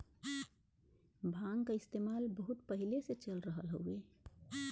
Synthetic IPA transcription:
bʱãŋɡkaɪst̪emalbəɦut̪̚pəɦileset͡ʃəlɾəɦəlɦo̰ue

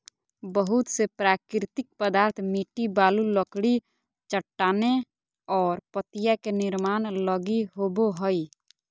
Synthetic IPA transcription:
bəɦʊt̪sepɾaːkɾɾɪt̪ɪk̚pəd̪aːɾt̪ʰmiːʈibaːluləkɽi | t͡ʃəʈːaːne | ɔːɾpət̪ɪjakenɪɾmaːnləɡiɦoːboɦoi

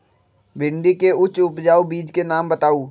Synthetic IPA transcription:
bɪ̃ɳɖikeʊt͡ʃʊpd͡ʒaːubiːd͡ʒkenaːmbət̪aːuː

